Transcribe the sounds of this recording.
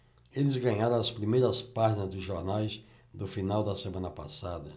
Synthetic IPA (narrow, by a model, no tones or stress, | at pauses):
elɪzɡɐ̃ɲaɾõɐspɾimejɾɐspaʒinɐzd̪ʊzʒoɾnajz | d̪ʊfinawd̪ɐsemɐ̃nɐpa̰sad̪ɐ̰